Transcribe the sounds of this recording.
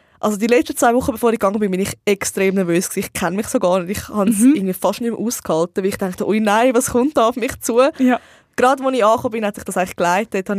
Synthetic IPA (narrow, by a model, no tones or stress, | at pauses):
ʔɑls̬odiːlɛt͡ʃtət͡sʋaɪvʊχːəbefoːɾixɡ̥ɑŋːəbɪnbɪniχɛkstɾeːmnɛɐɾvøːsksiːɪχkʰɛnmɪχsoɡɑːɾnediχhɑnsɪɐɡŋ̩nviːfɑʃtnymʔuːskhɑltəʋɪliχtɛŋktəʔojnaɪvɑsχʊnt̚dɑʊfmɪχt͡suə | ɡ̥ɾɑdvoniʃɑːχoːbɪnhɛtsɪχd̥ɑsaɪŋɪχklaɪtethɑn